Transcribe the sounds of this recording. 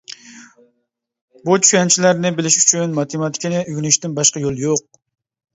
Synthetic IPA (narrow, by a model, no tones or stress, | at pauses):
but͡ʃʰy̥ʃʲɛnt͡ʃʰilæɾnɪbɪlɪʃyt͡ʃʰynmɑt̪ʰemɑt̪ʰɪ̥kʲinɪʔyɡʲnɪʃt̪ɪnbɑʃqɑjolˠjoq̚